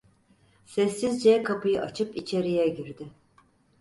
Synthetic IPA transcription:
sɛsːizd͡ʒɛkʰapɯjɯʔat͡ʃʰɯpit͡ʃʰe̞ɾijɛɟiɾd̪ɪ

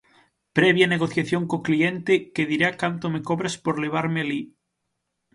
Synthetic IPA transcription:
pɾeβjaneɣoθjaθjoŋkoklient̪ekeðiɾakant̪omekoβɾespoɾleβ̞aɾmeali

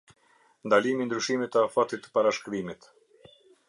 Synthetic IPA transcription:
nd̪alimind̪ɾyʃimit̪əafat̪it̪ə̥paɾaʃkɾimit̪

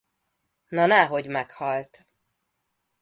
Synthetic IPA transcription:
nɒnɛɦo̞ɟmɛkhɒlt̪

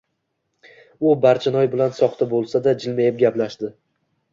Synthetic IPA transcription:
ʊbaɾt͡ʃʰanɒjbɪlansɒχt̪ʰabolˠsad̪ad͡ʒɪlmajɪp̚ɡʲaplaʃd̪ɪ

